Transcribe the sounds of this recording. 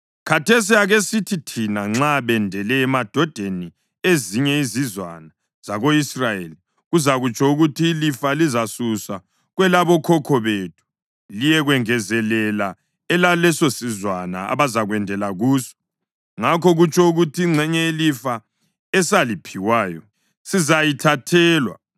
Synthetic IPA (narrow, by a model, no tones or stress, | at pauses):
kʰatʰes̬iaɣesitʰitʰinaŋ͡ǁaβɛndʱɛlɛːmad̥ʱɔd̥ʱeni | eziɲɛizizwa̰na | z̥aɣoisrajeli | ɣuzaɣut͡ʃʼʰɔuɣutʰiːlifalizasusa | ɣwɛlaβɔkʰɔkʰɔβetʰu̥ | lijɛɣwɛŋɛzɛlɛla | ɛlalɛsosizwana̰a̰βazaɣwɛndʱɛlaɣuːsɔ̥ | ŋakʰɔɣut͡ʃʼɔuɣutʰiːŋ͡ǀʱɛɲɛilifa | ɛsalipʰiwaːjɔ | sizajitʰatʰɛːlwa̰